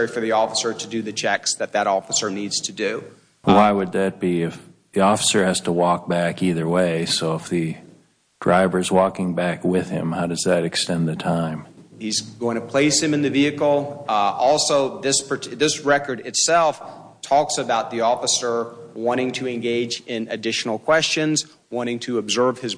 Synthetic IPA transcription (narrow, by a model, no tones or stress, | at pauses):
ɹifə˞ðiɔfəsə˞ɾɨdɨðɨt͡ʃʰɛksðɨt̪̚ðɨɾɔfəsə˞nidz̥tʰɨdʉ | waɪwɨd̪̚ðɨt̚b̥iɪfðiɔfə̥sə˞hɨz̥tʰəwɔk̚b̥ækiðə˞weɪsoʊəfðɨ | d̥ɹaɪvə˞zwɔkɪ̃ŋbækwɪð̥ɪ̰̃mhaʊɾʌzðɨɾɨkstɛ̃nðɨtʰãɪ̃mhizɡoʊɪ̃ŋtʰɨpʰl̥eɪshɨ̃mɨ̃nðɨviɨkl̩ˠɔlˠsoʊðɪspʰə˞ðɪsɹɛkə˞ɾɨtsɛlˠftʰɔksɨbaʊt̪̚ðiɔfəsə˞wɑ̃ɾ̃ɪ̃ŋtʰɨɨ̃nɡeɪd͡ʒɪ̃nɨdɪʃn̩l̩ˠkʰw̥ɛst͡ʃɨ̃nz | wɑ̃ɾ̃ɪ̃ŋtʰɨəbzɜ˞v̥ɨz